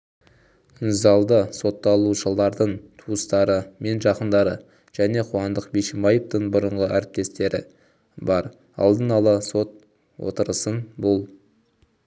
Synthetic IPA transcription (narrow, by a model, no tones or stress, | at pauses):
ɪnzɑlˠd̪əso̞t̪ːɑlˠuʃəlˠɑɾd̪əɴt̪ʰuəst̪ɑɾəme̞nʒɑqənd̪ɑɾə | ʒ̥æne̞qʰuwɑnd̪əqbeʃɪmɑjəp̚t̪əɴbʊɾəɴʁəʔæɾɪp̚t̪e̞st̪e̞ɾʔɪ̰ | bɑɾ | ɑ̰lˠd̪ənɑlˠəso̞t̪̚ | wo̰t̪əɾəsənbolˠ